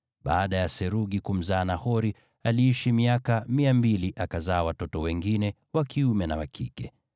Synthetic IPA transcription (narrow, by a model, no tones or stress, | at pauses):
ɓaːɗajasɛɾuɠikum̩zaːnahɔɾi | aliiʃimiakamiambiliʔakazaːwatɔtɔwɛŋɡinɛ | wakʰiumɛnawakʰḭkɛ